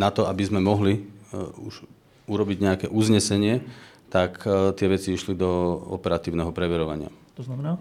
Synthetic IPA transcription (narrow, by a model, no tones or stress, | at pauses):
nat̪ɔabizmɛmɔɦliuʒ | uɾɔbiɟɲɛakɛʔuzɲɛsɛɲɪɛt̪akt̪ɪɛʋɛt͡siiʃlid̪ɔɔ̰pɛɾat̪iːʊnɛɦɔpɾɛʋɛɾɔʋa̰ɲɪa̰t̪ɔnamɛnaː